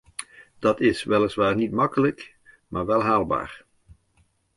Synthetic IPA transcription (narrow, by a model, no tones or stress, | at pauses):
d̥ɑtɪsʋɛləsʋaːɹnitmɑkələk | maːɹʋɛlˠɦaːlˠba̰ːɹ